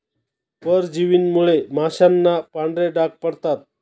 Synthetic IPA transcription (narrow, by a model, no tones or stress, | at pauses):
pəɾd͡ʑiʋiːnmuɭemaɕanːapaɳɖɾeɖak̚pəɽt̪at̪̚